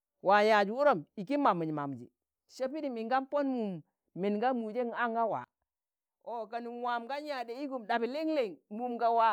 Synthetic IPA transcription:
wa˨ja˨d͡ʒu˨u˦ɾo˦˨mi˨ki˦ma˨mi˨ɲ˨ma̰˨m˨d͡ʒḭ˨ | ʃe˦pi˦di˨mi˨ŋɡa˦mpo˦nmu˨mː | i˨nɡa˦mu˨d͡ʒe˦ŋa˦ŋɡa˦wa̰˨ | o˨ɡa˨ni˨wa˨mɡa˦n˦ja˨de˨i˦ɡu˨mɗa˨bi˨li˦ŋle˦˨ŋmu˨mɡa˨wa˨

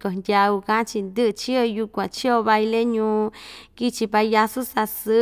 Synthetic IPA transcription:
ko˨ndʲa˧u˧kã˦t͡ʃi˧nd̪ɨ˦ʔt͡ʃi˦o˧ju˧kʷã˨t͡ʃi˦o˧βa˧jle˦ɲũː˧ki˦t͡ʃi˧pa˧ja˧su˦sa˧sɨ˦

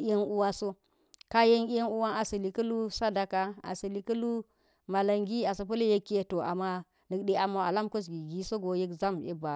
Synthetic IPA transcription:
e˦nu˦wa˦so˦ | ka˦je˦nʲ˦e˦nu˦wa˦a˨sɐ˨li˨kɐ˦lu˦sa˦da˨ka˨a̰˨sə˨li˨kɐ˦lu˦ | ma˨la˨ŋɡi˦a˨sə˨p̬ɐ˦le˦je˦kːe˦to˨ʔa̰˨ma˦ | nɨ˨kɗe˦a˨ma˨a˨la˦mko˦s̬ɡi˨ɡi˦so˦ɡo˨je˦kza˦mjḛ˦ba˨

